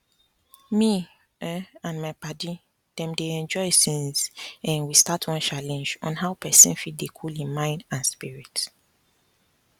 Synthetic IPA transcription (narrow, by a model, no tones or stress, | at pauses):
mi | ɛãnmaɪpadi | d̥ɛ̃mdeɛ̃nd͡ʒɔɪsĩnzɛ̃nwistatʰɔ̃nt͡ʃalɛ̃nd͡ʒɔ̰̃nɦaʊpʰɛsĩnfit̚dekʰulĩnmãɪ̃ndãnspiɹit